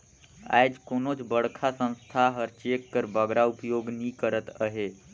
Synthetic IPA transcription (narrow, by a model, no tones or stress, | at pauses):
a̰jd͡ʒkonot͡ʃbəɽkʰasə̃w̃st̪ʰaɦəɾt͡ʃekːəɾbəɡɾaupjoɡnikəɾət̪əɦe